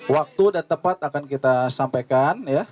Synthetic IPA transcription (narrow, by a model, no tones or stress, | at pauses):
wak̚t̪udat̪əpat̪akankit̪asampajkanja